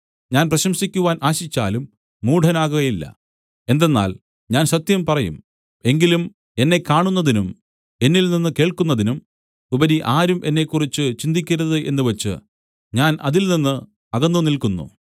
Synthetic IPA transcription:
ɲaːnprɐɕɐmɕikʲːuʋaːnʔaːɕit͡ɕːaːlumː | uːɖʱɐnaːɣuɣɐjilːɐ̰ | e̞nd̪e̞nːa̰ːl | ɲaːnɕɐt̪jɐmpɐrɐjṵm | e̞ŋɡilum | e̞nːe̞kaːɳunːɐðinum | e̞nːilninːɨke̞ːɭkunːɐðinum | ubɐɾiʔaːɾumʔe̞nːe̞kːurit͡ɕːɨt͡ɕind̪ikʲːɐɾɐðɨʔe̞̰nːɨʋɐt͡ɕːɨ̰ | ɲaːnʔɐðilninːɨ | ɐɣɐnːumnilkunːṵ

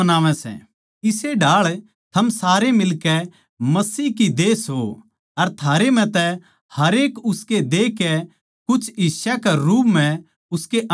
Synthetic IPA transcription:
ɐnaːʋɛ̃sɛ̰ | ɪseɖaːɭ | t̪ʰɐmsaːɾemɪlkɛ | mɐsiːɦkid̪eːsɦo | ɐɾt̪ʰaːɾem̤ɛ̃t̪ɛ | hɐɾeːkʊsked̪eːkɛ | kʊt͡ʃʰisakɛɾuːpm̤ɛ̃ | ʊskeʔɐ

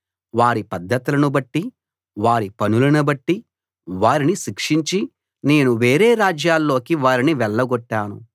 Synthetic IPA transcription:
ʋaːɾipɐd̪ʱːɐt̪ilɐnubɐʈːi | ʋaːɾipɐnulɐnibɐʈːi | ʋaːɾiniʃikʂiɲt͡ʃi | ne̞ːnuʋe̞ːɾeːɾaːd͡ʒjaːlːo̞ːkiʋaːɾiniʋɛɭːɐɡɔʈːaːnṵ

